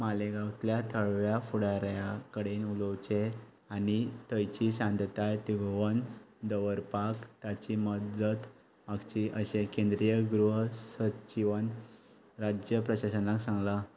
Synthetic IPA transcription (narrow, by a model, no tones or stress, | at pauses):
maleɡawt̪ljat̪ʰəɭʋjafuɽaɾjakəɽenuləwt͡ɕe | anit̪əjt͡ɕiɕãnd̪ʱt̪ajt̪iɡʱʋən | d̪əʋəɾpakt̪at͡ɕiməd̪ət̪ | maɡt͡ɕiʔəɕekẽnd̪ɾijəɡɾuɦsət͡ɕiʋən | ɾad͡ʑjəpɾəɕaɕənaksãŋɡla